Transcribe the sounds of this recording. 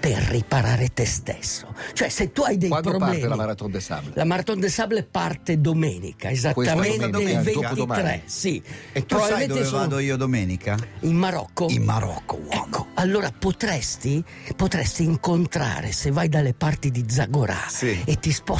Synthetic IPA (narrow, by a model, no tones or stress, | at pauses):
perːipaɾaːɾet̪est̪ɛ̰sːot͡ʃoɛset̪ːuajd̪ɛjtpɾoblɛːlamaɾat̪ond̪esa̰blelamaɾat̪ond̪esablepart̪ed̪omɛːnḭkʰaezateːamentd̪eilvent̪ɾɛ̰ssipːɾbalmɛ̃nt̪d̪oiːod̪omɛːnikaimmaɾɔ̰kːomaɾɔ̰kːoɛkːoalːoːɾapot̪ɾɛst̪i | pot̪ɾɛst̪iːŋkont̪ɾa̰ːɾḛsevajd̪alːepart̪id̪id̪zaɡoɾa̰iet̪ːispɔ